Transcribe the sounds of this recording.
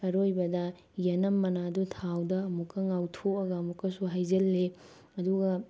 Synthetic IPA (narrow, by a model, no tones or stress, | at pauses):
ɐɾojbɐdɐ | jɐnɐmːɐnadutʰawdɐːmukːɐŋawtʰoɐɡɐmukːɐsuɦajzɐlːe | ɐduɡɐ